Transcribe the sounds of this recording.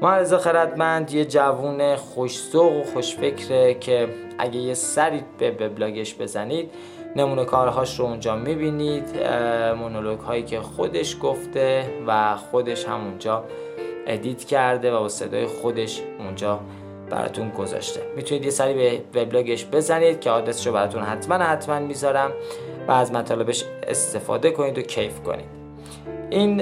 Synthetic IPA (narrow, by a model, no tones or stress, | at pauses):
moæɾezexeɾæd̪mænd̪je̞d͡ʒævuːne̞xoʃsoɣoxo̞ʃfecʰɾecʰe̞ | ʔæ̰ɟejesæɾiːb̥eve̞blɒːɟe̞ʃb̥e̞zæniːd̪̥ | ne̞muːne̞kʰɒːɾɦɒːʃɾound͡ʒɒːmibiːnid̪monoloɡ̥hɒːjiːcʰe̞xod̪e̞ʃɡoft̪e̞væxo̞d̪e̞ʃhæ̰mund͡ʒɒː | ʔed̪iːt̪cʰæɾd̪e̞væbɒse̞̰d̪ɒ̰ːjexo̞d̪e̞ʃund͡ʒɒː | b̥æ̰ɾɒ̰ːt̪ʰunɡo̞zɒ̰ʃt̪ʰe̞mit̪ʰuniːd̪jesæɾiːbeve̞blɒːɡe̞ʃbe̞zæniːd̪̥̚cʰehɒːd̪ɾesi̥ʃobæɾɒːt̪ʰunɦæt̪ʰmænhæt̪ʰmænmiːzɒːɾæmvæ̰ːzmæt̪ʰɒːle̞be̞ʃḛst̪e̞fɒ̰ːd̪e̞ko̞niːd̪o̞cʰejfko̞̰nḭːd̪̥ | ʔin